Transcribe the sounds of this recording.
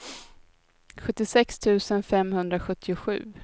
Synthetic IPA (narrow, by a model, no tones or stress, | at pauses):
ɧɵt̪ːɪsɛkst̪ʰʉ̟ːsənfɛmhɵnd̪ɾaɧɵt̪ʰːɪʊɧʉ̟̰ː